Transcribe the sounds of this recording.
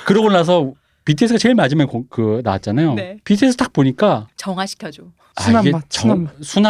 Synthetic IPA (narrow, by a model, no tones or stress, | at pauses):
kɯɾʌɡonas̬ʰʌ | pitʰes͈ʰɯɡat͡ɕeɭmad͡ʑimjʌnkokɯnawat̚t͡ɕ͈anajonpitʰies͈ʰɯt͈ak̚poɲik͈at͡ɕʌŋaɕʰi̥kʰʲʌd͡ʑo | sainɡet͡ɕʌsʰuna